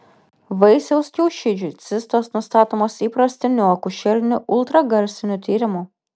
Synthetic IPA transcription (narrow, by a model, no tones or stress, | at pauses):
ʋɐɪsʲɛʊsʲkʲɛʊʃʲɪd͡ʒʲʊt̪sʲɪst̪oːsnʊst̪ɑːt̪oːmosiːpɾɐsʲt̪ʲɪnʲuɔkʊʃʲɛlʲnʲʊʔʊlˠt̪ɾɐɡɐɾʲsʲɪnʲʊt̪ʲiːɾʲɪmʊ